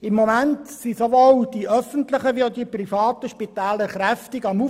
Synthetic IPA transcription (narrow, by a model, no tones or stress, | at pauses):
ɪmːomæntsisoʋold̥iʔœfəntlɪχəʋiod̪iprifɑːt̪əʃpitæːləɾχɾæftɪɡɑmu